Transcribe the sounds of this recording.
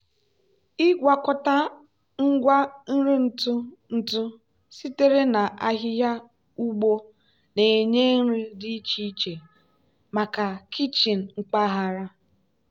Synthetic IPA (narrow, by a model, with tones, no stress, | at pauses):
ɪ˦ɡʷa˨kɔ˨ta˦ | ŋ̩˦ɡʷa˦n̩˦ɾi˦n̩˨tʊ˦n̩˨tʊ˦ | si˦te˦ɾe˦na˨ʔa˦ɦɪ˦ja˦ | u˦ɡ͡bo˦ | ne˨ɲe˦n̩˦ɾi˦dɪ˦i˦t͡ʃi˦t͡ʃe˨ | ma˨ka˨kʰi˦t͡ʃi˨n̩˨ŋ͡m̩˨k͡pa˦ɦa˨ɾa˦